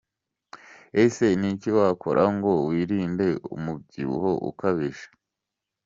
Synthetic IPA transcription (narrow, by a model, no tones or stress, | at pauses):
ese̞niciwaːkʰo̞ɾʔaŋɡo̞wiːɾiːnde̞ṵmub̚ɟiɾṵho̞ʔṵkaβiʒḁ